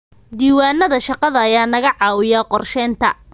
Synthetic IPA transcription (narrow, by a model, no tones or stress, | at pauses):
d̪iːwaːnːɐðɐʃɑqɑðɐɐjaːnɐɣɐʕɑːwɪjaːqɔrʃɛːnt̪ʰɐ̰